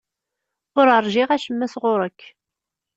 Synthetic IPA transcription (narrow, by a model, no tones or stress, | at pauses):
ʊɾəɾˤʒɪʁæʃəmːæsʁʊɾəkː